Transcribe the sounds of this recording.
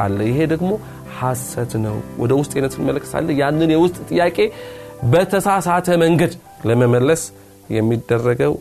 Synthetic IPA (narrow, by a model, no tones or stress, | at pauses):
a̰lːəjɪɦe̞d̪əɡmo̞ | hasət̪nəwwɔ̰d̪əwʊst̪ʼjenət̪ʰɨnɪmələkːə̥t̪ʰa̰lːəjanːɨnjɛwʊst̪ʼt̪ʼɨjːakʼe̞bət̪ʰəsasat̪ʰəməŋɡəd̪ | ləməməlːəs | jɛmːid̪ːərːəɡəw